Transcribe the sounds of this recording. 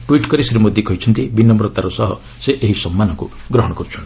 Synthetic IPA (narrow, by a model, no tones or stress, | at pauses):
ʈwiʈkɔɾisɾimod̪jikɔɦit͡ʃʰɔnt̪ibinɔmɾɔt̪aɾɔsɔɦɔ̰ | seʔeɦisɔmːanɔku | ɡɾɔɦɔɽ̃ɔkɔɾut͡ʃʰɔni